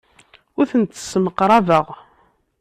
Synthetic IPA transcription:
ʊɾθənt̪ːə̥sməqːɾˤɑvəʁ

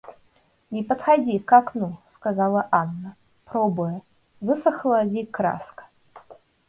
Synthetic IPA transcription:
nʲipɐt̪xad͡zʲikaknuskazalˠɐʔanːɐ | pɾɔbʊjɛ | vɨsɐxlˠɐvʲikɾa̰skɐ̥

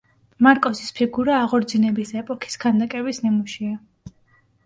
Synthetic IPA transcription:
maɾkʼɔsi̥spʰiɡuɾaːʁɔɾd̪zinɛbisɛpʼɔkʰi̥skʰand̪akʼɛbisnimuʃia

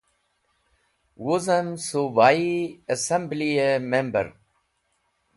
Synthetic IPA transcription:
wuzəmsobaːiɐsẽmbliemẽmbə̰ɾ

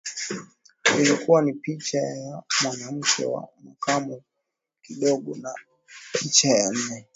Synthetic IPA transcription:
ilikuwanipit͡ʃajamwanam̩kʰɛ̰wa̰makamu | kiɗɔɠɔna | pit͡ʃajan̩nɛ

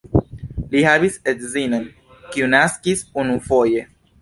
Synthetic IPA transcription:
lihaβiset̪zinon | kiunaskisunufoje

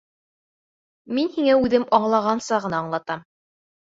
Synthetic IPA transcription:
minhiŋæʉðɘmɑɴlˠɑʁɑnsɑʁɤ̆nɑːɴlˠɑt̪ɑm

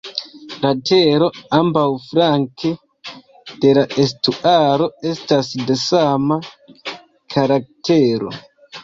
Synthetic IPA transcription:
ɾate̞ɾo̞ambawfɾaŋke̞ | d̥e̞laʔe̞s̬tuʔaɾo̞e̞stasde̞sama | kʰaɾak̚te̞ɾo̞̰

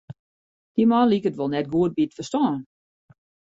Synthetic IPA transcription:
d̥imanlikətʋolˠnɛtɡuət̚bitfərstɔːn

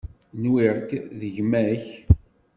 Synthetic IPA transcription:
nwiɾkðəʝmæç

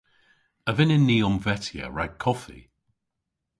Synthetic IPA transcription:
əvɪnɪnːiːɔmvɛtʰiə̰ɹaɡ̚kʰɔfḭ

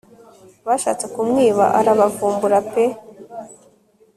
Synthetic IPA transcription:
βaʃa̰ːt͡sekumŋiːβa̰ʔaɾaβafuːmbuɾape

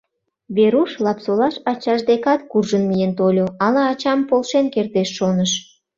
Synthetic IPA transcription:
βeɾuʃlɑpsolɑʃɑt͡ɕɑʃd̪ekɑt̪̚kurʒənmijent̪olʲoɑlɑːt͡ɕɑmpolʃenkert̪eʃːonəʃ

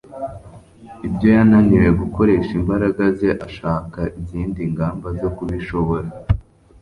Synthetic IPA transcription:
ibɟo̞jananiɾeɡuko̞ɾe̞ʃimbaɾaɡaze̞ʔaʃaːkaʔiziːndiŋɡaːmbazo̞kuβiʃo̞βo̞ɾa

